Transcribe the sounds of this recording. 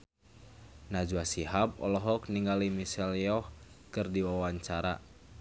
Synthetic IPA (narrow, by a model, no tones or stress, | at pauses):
nad͡ʒuasiɦap̚ɔ̰lɔɦɔkniŋɡalimisɛljɔhkɨrdiwawaɲt͡ʃaɾa̰